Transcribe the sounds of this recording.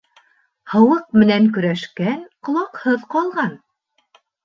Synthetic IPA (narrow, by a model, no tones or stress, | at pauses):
hɤ̆wɤq̚mɘ̆næŋk̬ɵ̆ɾæʃkænqŏlˠɑqhɤðqɑlˠʁɑn